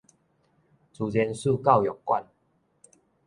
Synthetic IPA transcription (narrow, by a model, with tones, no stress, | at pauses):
t͡su˨˩t͡sɛ˧˦nsu˥˧ka˥˨wjɔ˨˩ŋkwa̰˥˨n